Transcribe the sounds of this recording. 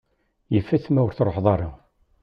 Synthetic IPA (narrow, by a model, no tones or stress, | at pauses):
jəfːæθmæwəɾθɾˤoħðˤɑɾˤɑ